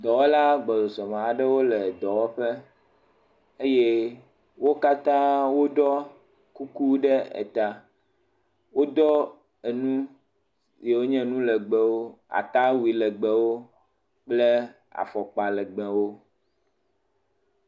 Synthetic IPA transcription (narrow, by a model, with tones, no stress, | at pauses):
d̪ɔ˨we˦la˦ɡ͡bɔ˨d̪ɔ˨sɔ˨mã˨a˨ɖɛ˦wo˦lɛ˨d̪ɔ˨wɔ˦ɸɛ˦ | e˦jɛ˦ | wo˦ka˦t̪ã˦wo˦ɖɔ˦ | ku˦ku˦ɖɛ˦ḛ˨t̪a˨ | wo˦d̪ɔ˦ | e˨nũ˦ | je˨wo˦ɲɛ̃˦nũ˦lɛ˨ɡ͡bɛ˨wo˦a̰˨t̪a˦wi˨lɛ˨ɡ͡bɛ˨wo˦ | k͡plɛ˦ | a̰˨fɔ˨k͡pa˨lɛ˨ɡ͡bɛ̃˨wo˦